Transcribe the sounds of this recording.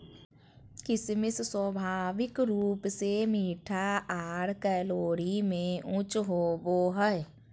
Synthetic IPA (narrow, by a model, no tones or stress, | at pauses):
kɪsmɪsswəbʱaːʋɪkɾuːpsemiːʈʰaʔaːɾkɛːloːɾimẽʊ̃t͡ʃɦoːboːɦəɛ